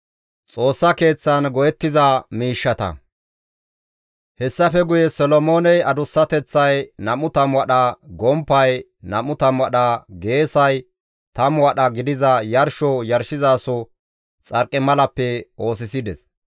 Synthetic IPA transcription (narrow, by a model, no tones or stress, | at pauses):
t͡sʼo̞ːsːɐke̞ːt͡sːɐnɡɔjɛt̪ːɪzɐmiːʃːɐt̪ɐ̰ | hɛsːɐfɛɡʊjɛsɔlɔmoːnɛjɐd̪ʊsːɐt̪ɛt͡sːɐjnɐmʊt̪ɐmwɐɗɐɡɔmpːɐj | nɐmʊt̪ɐmwɐɗɐɡe̞ːsɐj | t̪ɐmwɐɗɐɡɪd̪ɪzɐjɐɾʃɔjɐɾʃɪzaːsɔ | t͡sʼɐɾkʼːɪmɐlɐpːɛo̞ːs̬ɪsɪd̪ɛs